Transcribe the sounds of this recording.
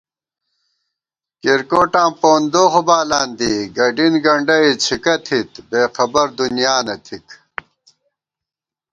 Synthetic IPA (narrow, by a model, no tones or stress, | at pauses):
kiɾkoːʈãːmpoːnd̪oːxobaːlãːnd̪iɡɐɖinɡɐɳɖɐit͡ɕʰikɐt̪ʰit̪beːxɐbɐɾd̪unjaːnɐt̪ʰik